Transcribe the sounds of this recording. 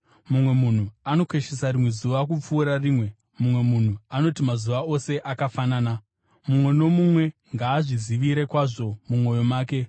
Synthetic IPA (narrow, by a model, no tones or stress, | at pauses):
mumwe̞mun̤uano̞kwe̞ʃesaɾimwe̞zuʋak̬up͡fuːɾariːmwe̞ | mumwe̞mun̤uano̞timazuʋao̞se̞ʔakafanaːna | mumwe̞no̞mumwe̞ŋɡaːʐiziʋiɾe̞kwaʐo̞mumo̞jo̞maːke̞